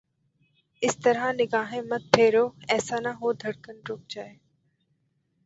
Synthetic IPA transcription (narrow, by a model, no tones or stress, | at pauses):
ɪst̪əɾãnɪɡaːɦẽːmɐt̪̚pʰeːɾoːɛːsaːnaɦoːd̪ʱɐɽkənɾoːk̚d͡ʒaːeː